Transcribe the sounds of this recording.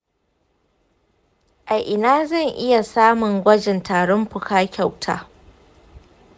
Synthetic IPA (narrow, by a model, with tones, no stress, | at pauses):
ʔa˨jʔɪ˨naː˦zɐ˦˨ŋʔɪ˦ja˨saː˦mʊ˨ŋɡʷɐ˦d͡ʒɪ˨ntʰaː˨ɽɔ˦mɸʊ˨kaː˦kʲa˦˨wtʰa̰ː˨˦